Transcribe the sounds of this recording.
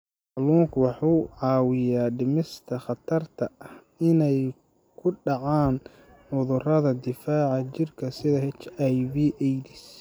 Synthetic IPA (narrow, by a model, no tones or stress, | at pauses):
ħɑluːŋkʰwɑħuːʕɑːwɪjaːɖɪmɪst̪ʰɐχɑt̪ʰɐrt̪ʰɐɐh | ɪnɛj | kʰʊɖɑʕaːn | ʕʊðʊrɐðɐd̪ɪfaːʕɑt͡ʃɪrkʰɐsɪðɐɦɛt͡ʃajbiːʔɛjd̪ɪs